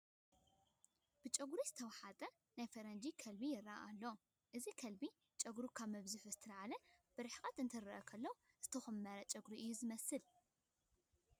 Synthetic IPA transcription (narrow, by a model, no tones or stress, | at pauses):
b̥ɨt͡ʃʼɐɡɾizɨt̪ʰɐwɐħat̪ʼɐ | najfɐɾɐnd͡ʒikʰɐlbijɪraʔalːo | ʔɨzikʰɐlbi | t͡ʃʼɐɡɾukʰaβmɨβzuħzɨt̪ʰɐɾʕalɐb̥ɨɾɨħkʼɐt̪ɨnt̪ʰɐɾɐʔɐkʰɐlːɐw | z̥ɨt̪ʰɐxɨmːɐɾɐt͡ʃʼɐɡuɾiʔɨjːuzɨmɐsɨl